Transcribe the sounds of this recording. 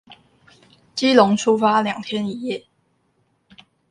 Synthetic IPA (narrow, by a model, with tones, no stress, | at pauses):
t͡ɕi˥lʊ˧˥ŋʈ͡ʂʰu˥˦fa˥ljɑ˨˩ŋt̪ʰjɛ˦ni˨˩jɛ˥˩